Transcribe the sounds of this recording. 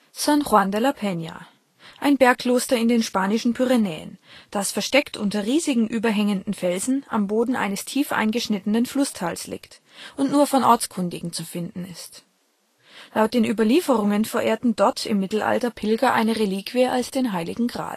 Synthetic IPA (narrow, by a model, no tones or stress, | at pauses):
sanχwandɛlapʰɛnja̰ | ʔaɪnbɛɐkʰl̥oːstɐɪndeːnʃpaːnɪʃn̩pʰyʁɛnɛ̰ːə̰nd̥asfɛɐʃtɛktʔʊntɐʁiːzɪɡŋ̩ʔyːbɐɦɛŋəndn̩fɛlzn̩ʔa̰mboːdn̩ʔa̰ɪnəstʰiːfʔa̰ɪnɡəʃnɪtənənflʊstʰaːlslɪ̰ːkt | ʔʊntnuːɐfɔnʔɔɐt͡skʰʊndɪ̰ɡŋ̩t͡sufɪndn̩ɪst | laʊt̚d̥eːnʔyːbɐliːfəʁʊŋənfɛɐʔeːɐtn̩dɔɐtʰɪ̰mːɪtl̩ʔa̰ltɐpʰɪlɡɐʔa̰ɪnəʁeliːkv̥iəʔalsd̥eːnɦaɪlɪ̰ɡŋ̩ɡʁa̰ːd